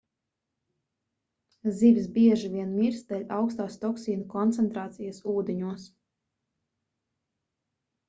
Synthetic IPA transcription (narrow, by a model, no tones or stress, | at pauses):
zivsbʲiɛʒivʲiɛnmiɾsd̪ɛʎʲawkst̪aːst̪ɔksiːnukɔnt̪sɛnt̪ɾaːt̪sijasuːd̪eɲuɔs